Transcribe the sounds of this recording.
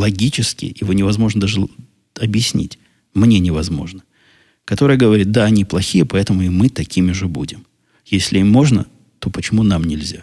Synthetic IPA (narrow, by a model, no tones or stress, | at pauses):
lˠɐɡʲit͡ɕɪskʲɪ̰ʔɪvonʲɪvɐzmo̞ʐnəd̪aʐɨ | ɐbjɪsʲnʲḭtʲ | mnʲe̞nʲɪvɐzmo̞̰ʐnə | kɐt̪o̞ɾɨjəɡəvɐɾʲit̪̚d̪aɐnʲiplˠɐxʲijəpɐɛt̪əmʊɪmɨt̪ɐkʲimʲɪʐɨbṵdʲɪm | jesʲlʲɪimːo̞ʐnə̰ | t̪o̞pət͡ɕɪmunamnʲɪlʲzʲa̰